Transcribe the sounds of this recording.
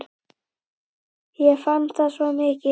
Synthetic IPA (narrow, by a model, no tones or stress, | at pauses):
jɛfant̪asvɔmɪcɪ